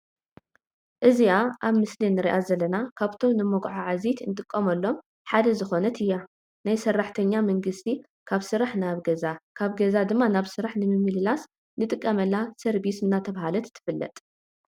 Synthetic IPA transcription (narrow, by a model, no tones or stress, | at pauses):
ʔɨziaʔaβmɨslinɨɾiʔazɐlːɐnakʰaβt̪ʰo̞mnɨmɐɡʕaʕazit̪ʰɨnt̪ʼɨkʼːɐmɐlːo̞m | ħad̪ɐzɨxo̞nɐt̪ʰɨjːa | najsɐrːaħt̪ʰɐɲːamɐŋɡɨst̪ʰi | kʰaβsɨɾaħnaβɡɐzakʰaβɡɐzad̪ɨmːanaβsɨɾaħnɨmɨmːɨlɨlas | nɨt̪ʼɨkʼːɐmɐlːasɐɾbisɨnːat̪ʰɐβhalɐt̪t̪ʰːɨ̥fɨlːɐ̰t̪ʼ